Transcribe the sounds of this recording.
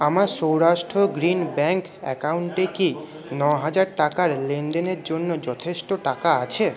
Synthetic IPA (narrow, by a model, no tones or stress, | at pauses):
amaɾʃowɾaʃʈɾoɡɾinbɛŋkɛ̰kauɳʈeki | nɔɦad͡ʑaɾʈakaɾlend̪eneɾd͡ʑonːod͡ʑɔt̪ʰeʃʈoʈakaat͡ɕʰe